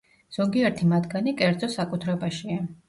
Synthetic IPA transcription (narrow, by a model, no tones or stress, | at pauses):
z̥ɔɡiɛɾt̪ʰimad̪ɡanikʼɛɾd̪zɔsakʼut̪ʰɾɛbaʃia